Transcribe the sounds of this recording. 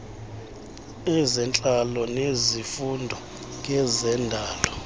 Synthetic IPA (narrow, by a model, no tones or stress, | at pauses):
ɛzɛnt͡ɬʼalɔnezifundʱɔ | kʼɛzɛndʱaːlɔ